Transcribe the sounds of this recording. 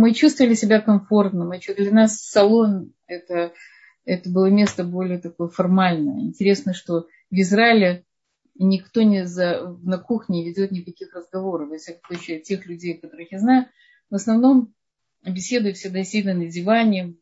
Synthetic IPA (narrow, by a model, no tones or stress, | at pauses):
mɨt͡ɕust̪vəlʲɪsʲɪbʲakɐmfo̞rt̪nəmɨt͡ɕud̪lʲɐnassɐlˠo̞n | ɛt̪ə | ɛt̪əbɨlˠəmʲe̞st̪əbo̞lʲɪjət̪ɐkojəfɐrmalʲnəjə̰ɪ̰nʲtʲɪɾʲe̞snəʂt̪o̞ | vɪzɾaɪlʲɪ | nʲɪkt̪o̞nʲɪzəvnɐkuxnʲɪvʲɪdʲo̞t̪̚nʲɪkɐkʲixrəzɡɐvo̞ɾəfvɐfsʲakəmsˠut͡ɕɪɐtʲe̞xlʲʉdʲejkɐt̪o̞ɾɨxjaznajʊ | vəsnɐvno̞m | bʲɪsʲe̞d̪ʊjʊfsʲed̪ɐsʲid̪ənədʲɪvanʲɪ